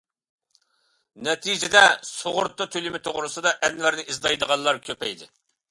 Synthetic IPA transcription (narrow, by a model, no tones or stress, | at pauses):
nɛt̪ʰid͡ʒɪd̪ɛsoʁʊɾt̪ːɨt̪ʰølymɪt̪ʰoʁɾɨsɨd̪ɑʔɛnvæɾnɪizd̪ɑjd̪əʁɑnlːˠɑɾkʲʰøpɛjd̪ɪ